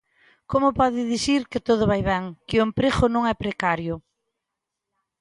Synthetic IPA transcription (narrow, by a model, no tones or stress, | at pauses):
komʊpɔðɪðisiɾkɪt̪oð̞ʊβajβɛŋkɪʊempɾexʊnõŋɛpɾekaɾjʊ